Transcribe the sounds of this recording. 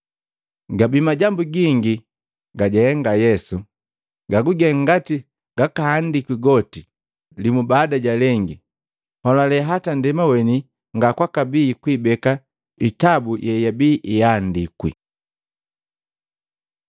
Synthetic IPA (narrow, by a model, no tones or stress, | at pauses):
ɡabimaɟambuɡiŋɡi | ɡaɟɛɛŋɡajɛsu | ɡaɡuɡɛŋɡati | ɡ̥akahandikwiɡɔti | limubaːdaɟalɛŋɡi | hɔlalɛɦatandɛmawɛni | ŋɡakwakabiːkwibɛka | itabujʔɛjabiːʔijandikwḭ